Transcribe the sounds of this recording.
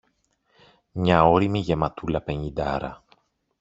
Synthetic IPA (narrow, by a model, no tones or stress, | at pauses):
mɲɐo̞ɾimiʝe̞mɐt̪ulɐpe̞ɲid̪ɐ̰ɾɐ̰